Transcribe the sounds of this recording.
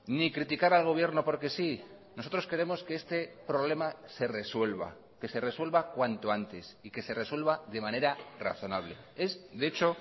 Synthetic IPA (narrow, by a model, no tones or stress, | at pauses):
nikɾit̪ikaɾalɣ̞o̞βje̞ɾno̞po̞ɾke̞si | noso̞t̪ɾo̞ske̞ɾe̞mo̞skeest̪e̞pɾo̞βle̞mase̞re̞swe̞lβa̰ | ke̞se̞re̞swe̞lβakwant̪oant̪e̞sike̞se̞re̞swe̞lβaðe̞mãne̞ɾara̰θo̞naβ̞le̞̰e̞zde̞t͡ʃo̞